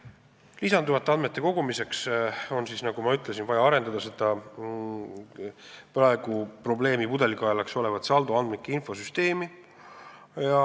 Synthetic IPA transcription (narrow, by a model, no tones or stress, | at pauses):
lisɑnd̪uvɑt̪ːˑeɑnd̪met̪ːˑe̞ko̞ɡ̥umise̞kso̞nsisnɑɡ̥umɑyt̪ˑlesinvɑjɑɑɾe̞nd̪̥ɑd̪̥ɑse̞d̪̥ɑ | prɑe̞ɡ̥upro̞ble̞ːmipud̪e̞likˑɑjɑlekso̞le̞vɑt̪sɑld̪uɑnmnikːˑeinfo̞syst̪e̞ːmi | jɑ